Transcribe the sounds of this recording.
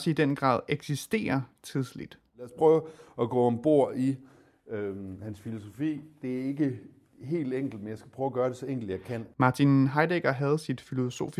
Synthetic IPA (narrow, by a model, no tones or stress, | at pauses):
sid̥enɡ̥ʁɑ̰̈ːðˠeɡ̥sisd̥e̝̰ːɐt͡sʰið̞ˠslid̥ | læːɐspʰʁœʊæɡ̥ɔ̰̽ːmb̥o̝ɐ̰i | hænsfilo̝so̝fḭːd̥e̝æɐe̝ɡ̥ə | ɦe̝̰ːld̥eŋ̰ɡ̥l̩d̥̚menjɑ̈ɪsɡ̥æ̥pʰʁœːʊæɡ̥ɶːɐɾ̥e̝sɒ̽eŋɡ̥l̩d̥jɑ̈ɪkʰæn̰mɑ̈ːt͡sʰinɦɑ̈ɪd̥eɡ̥ɐɦæð̞̩ˠsid̥filo̝so̝̰ːfi